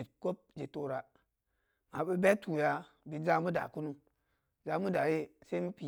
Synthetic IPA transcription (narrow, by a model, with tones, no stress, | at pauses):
i˨ko˦p̚d͡ʒe˨to˨ɾa˨ | ma˨ɓe˦be˦tʰu˨ja˨ | bi˨d͡ʒa˦mu˦da̰˨ku˦nu˦ | za˦mu˦da˨je˦sa˦i˦mu˦pi˨